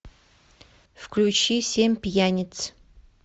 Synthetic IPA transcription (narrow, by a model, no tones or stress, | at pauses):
fklʲut͡ɕisʲemʲpʲjanʲɪt̪s